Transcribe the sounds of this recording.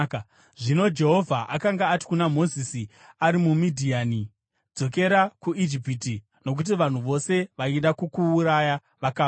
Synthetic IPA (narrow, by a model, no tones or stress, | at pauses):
ʐino̞d͡ʒe̞ɦo̞vʱaʔakaŋɡaːti̥kunamo̞zisiaɾimumidʱiaːni | d͡zo̞ke̞ɾakuʔid͡ʒip̬it̬i | no̞k̬ut̬iʋan̤uʋo̞se̞ʋainɗakukuːɾaja | ʋakaː